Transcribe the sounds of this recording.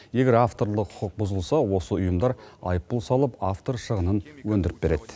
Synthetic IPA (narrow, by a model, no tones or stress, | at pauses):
je̞ɡʲe̞ɾaft̪o̞ɾlˠəqʰʊqəq̚bʊzəlˠsɑwo̞səʊjəmd̪ɑɾɑ̰jəp̚ːʊlˠsɑlˠəpaft̪o̞ɾʃəʁənənwɵnd̪ɪɾɪp̚be̞ɾe̞d̪̥ɪ